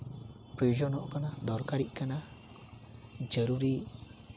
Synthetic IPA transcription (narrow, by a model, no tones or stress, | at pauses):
pɾiud͡ʒɔnɔʔkanad̪ɔɾkaɾiʔkana | d͡ʒəɾuɾi